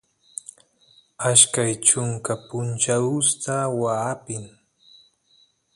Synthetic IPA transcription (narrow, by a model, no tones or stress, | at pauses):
aʃkajt͡ʃʊŋkapʊnt͡ʃaʊst̪awaːpɪŋ